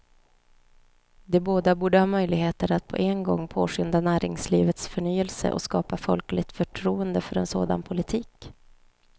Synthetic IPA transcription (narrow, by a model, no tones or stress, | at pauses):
d̪ɛboːd̪abuːɖəhɑːmœjlɪɡheːt̪əɾat̪̚pʰɔ̰ʔɛnɡɔŋːpʰoːʂʏnd̪anæːɾɪŋsliːvət̪sfœɳyːəlsə̰ʔɔ̰skɑːpafɔlklɪt̪fœʈʰɾuːənd̪əfœɾɛnsoːd̪a̰npʰʊlɪt̪ʰiːk